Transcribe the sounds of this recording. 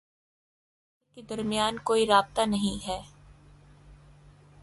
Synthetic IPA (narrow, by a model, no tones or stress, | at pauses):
ked̪ɐɾmɪjaːnkoːiɾaːb̚t̪anɐɦĩɦɛː